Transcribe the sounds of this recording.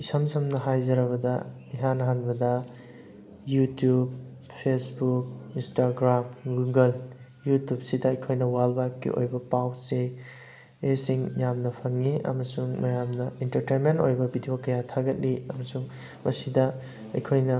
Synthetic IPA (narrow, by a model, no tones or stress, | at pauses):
isɐmsʰɐmnɐɦajzɐɾɐβɐdɐ | iɦanɦanbɐdɐ | jutjub̚ | pʰesbuk̚instaɡɾamɡuɡɐl | jutjup̚sidɐɐjkʰojnɐwalbakːḭʔo̰jbɐpawse | esiŋjamnɐpʰɐŋːiɐ̰mɐsuŋmɐjamnɐintɐɾtenmentojbɐbidijokɐjatʰaɡɐt̚liɐmɐsuŋ | mɐsidɐ | ɐ̰jkʰojnɐ